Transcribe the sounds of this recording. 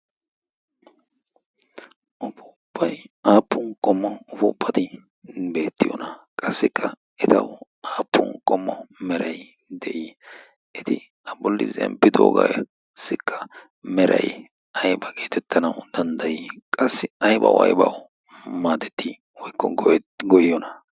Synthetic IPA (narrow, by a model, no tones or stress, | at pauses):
ʔʊpʊʊpːɐjaːpːʊnkʼɔmːɔʊpʊʊpːɐt̪ɪ | be̞ːt̪ːɪjɔ̰nɐkʼɐsːɪkʰːɐ | ɛt̪ɐw | aːpːʊnkʼɔmːɔmɛɾɐj | d̪ɛʔi | ʔɛt̪ɪ | ɐbɔlːɪzɛ̰mpːɪd̪o̰ːɡɐ̰j | sɪkʰːɐ | mɛɾɐ̰j | ɐjbɐɡeːt̪ʰɛt̪ʰːɐnɐwʊd̪̥ɐnd̪ɐjikʼɐsːɪɐjbɐ̰wɐ̰jbɐw | maːd̪ɛt̪ːi | wɔjkːɔɡɡɔjjɔnɐ